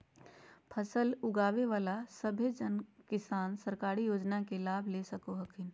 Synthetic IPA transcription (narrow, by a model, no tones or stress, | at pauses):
pʰəsəlʊɡaːʋeʋaːlasəbʱed͡ʒənkɪsaːnsəɾkaːɾijoːd͡ʒnakelaːbʱleːsɐkoɦəkʰɪn